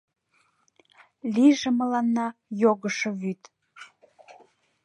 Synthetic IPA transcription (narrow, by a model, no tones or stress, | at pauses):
liʒə̆mə̆lɑnːɑjoɣəʃə̆βyt̪